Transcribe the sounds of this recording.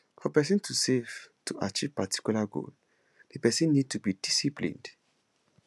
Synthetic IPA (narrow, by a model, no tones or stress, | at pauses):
fɔpɛsĩntʰusev̥tʰuʔat͡ʃiv̥patʰi̥kjulaɡo̰l | depɛsĩnːid̚tʰubidisiplḭ̃nd